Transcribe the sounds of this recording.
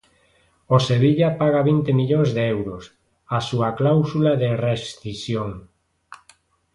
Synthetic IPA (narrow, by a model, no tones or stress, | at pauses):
oseβiʎapaɣaβint̪emiʎoŋzðeɛwɾos | asuaklawsulaðerest̪isjoŋ